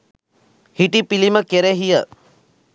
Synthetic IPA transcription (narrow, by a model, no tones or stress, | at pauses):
hiʈipiliməkeɾeɦijə